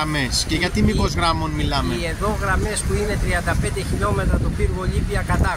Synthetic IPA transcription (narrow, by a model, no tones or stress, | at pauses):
ɐme̞sceʝɐt̪imiko̞zɣɾɐmo̞nmilɐmeie̞ðo̞ɣɾɐme̞sp̪uine̞t̪ɾiɐnd̪ɐpnd̪e̞çiʎo̞me̞t̪ɾɐt̪opiɾɣo̞ʎipiɐkɐt̪ɐ